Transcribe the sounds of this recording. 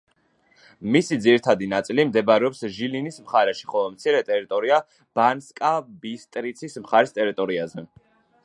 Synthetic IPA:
misid̪ziɾit̪ʰad̪inat̪sʼilimd̪ɛbɾɛɔpsʒilinismχaɾɛʃi̥χɔlˠɔmt̪sʰiɾɛt̪ʼɛɾit̪ʼɔɾia | b̥anskʼabist̪ʼɾit̪sʰismχaɾist̪ʼɛɾit̪ʼɔɾiazɛ

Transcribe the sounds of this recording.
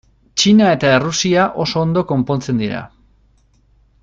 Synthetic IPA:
t͡ʃinae̞t̪aerusiaʔo̞so̞ːnd̪oko̞mpo̞nt͡se̞nd̪iɾa̰

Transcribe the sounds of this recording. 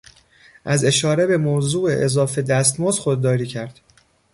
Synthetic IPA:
ʔæze̞ʃɒːɾe̞be̞mozuːeʔezɒːfe̞d̪æst̪mɒːzxod̪ːɒːɾiːcʰæɾd̪̥

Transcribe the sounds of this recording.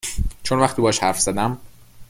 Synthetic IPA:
t͡ʃʰonvæxt̪iːbɒːʃhæɾfz̥æd̪æm

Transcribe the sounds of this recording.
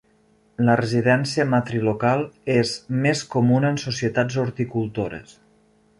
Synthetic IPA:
lərəziðɛnsiəmat̪ɾilukalˠezmeskomunənsusiət̪ad͡zoɾt̪ikulˠt̪oɾə̰s

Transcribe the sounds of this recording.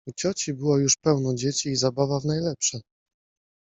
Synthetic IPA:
ut͡ɕɔt͡ɕibɘwɔjuʂpɛwnɔd͡ʑet͡ɕiːzabavavnajlɛpʂɛ

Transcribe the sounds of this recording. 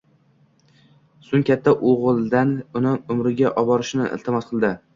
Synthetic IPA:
sʊŋkʲʰat̪ʰːaʔoʁɨlˠd̪anʊnɪʊmɾɪɡʲaʔɒbɒɾɪʃnɪʔɪ̰lt̪ʰɪmɒsqʰɨlˠd̪ɪ

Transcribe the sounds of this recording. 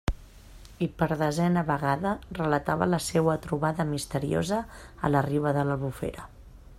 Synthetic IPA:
ipəɾðəzɛnəβəɣaðərələt̪aβə̰ləsewət̪ɾuβaðəmist̪əɾio̰zə̰ːləriβəðələlˠβufḛɾə

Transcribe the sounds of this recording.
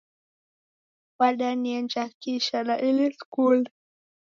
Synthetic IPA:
ɓaɗaniɛnd͡ʒakiʃalaʔiliskul

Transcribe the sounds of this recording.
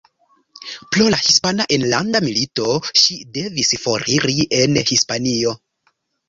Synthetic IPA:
plolahispanaʔenlandamilito̞ʃide̞visfo̞ɾiɾiʔe̞nhispanio̞

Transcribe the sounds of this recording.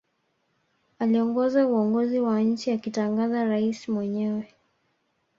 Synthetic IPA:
aliɔŋɡɔzauɔŋɡɔziwaɲ̩t͡ʃiakitaŋɡazaɾaisimwɛɲɛwɛ

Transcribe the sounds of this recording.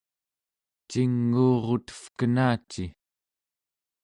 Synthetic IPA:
t͡ʃiŋːuːʁo̞t̪ə̥fkənaːt͡ʃi

